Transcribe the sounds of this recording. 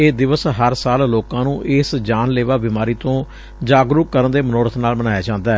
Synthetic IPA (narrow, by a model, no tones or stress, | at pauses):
eːd̪ɪʋəsɦəɾsaːlloːkãːnũːʔɪsd͡ʒaːnleːʋaːbɪmaːɾiːt̪õː | d͡ʒaːɡɾʊkkːəɾənd̪eːmənɔːɾət̪ʰnaːlmənaːjaːd͡ʒãːnd̪aːɛː